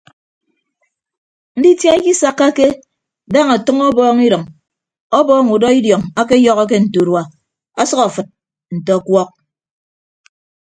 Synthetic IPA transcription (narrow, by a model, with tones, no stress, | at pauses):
n̩˦di˦tja˦i˦ki˦sa˦kːa˦ke˦ | da˦˨ŋa˨tʌ˦ŋɔ˦bɔː˦ŋi˦ɾʌ˨ŋ | ɔ˦bɔː˦ŋu˨dɔ˦i˦djɔ˨ŋa˦ke˦jɔ˦ɣɔ˦k̬e˦n̩˨to˨ɾwa˨ | a˦sʌ˦ka˨fɨ˨t̚ | n̩˨tɔ˨kwɔ˦k̚